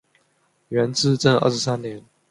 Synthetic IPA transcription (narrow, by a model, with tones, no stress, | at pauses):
ɥɛ˧˥nt͡sɹ̩˥˧ʈ͡ʂə˥˧ŋə̰˞˥˩ʂɻ̩˧˥sa˦nnjɛ˨˧˦n